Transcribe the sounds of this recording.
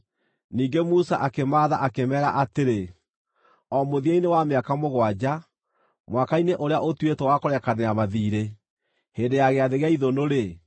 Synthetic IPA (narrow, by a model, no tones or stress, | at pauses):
niːɡemusaʔakemaːðaʔakemɛːɾa̰ʔateɾe | ɔmoðiainewameakamoɣwad͡ʑa | mwakaineʔoɾeaʔotwetɔwakoɾɛkaneamaðiːɾe | hendejaɣeaðeɣeaiðonoɾe